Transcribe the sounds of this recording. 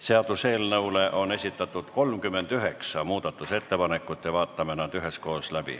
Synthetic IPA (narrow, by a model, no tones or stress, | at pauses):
se̞ɑd̪̥use̞ːlnɤule̞ʔo̞ne̞sʲit̪ːˑɑt̪ːˑud̪̥ko̞lmkymːe̞nd̪̥yɦe̞ksɑmuːd̪̥ɑt̪ːˑuse̞t̪ːe̞pɑne̞kːˑut̪ːˑjɑvɑːt̪ːˑɑmenɑd̪̥yɦe̞sko̞ːslæb̥ḭ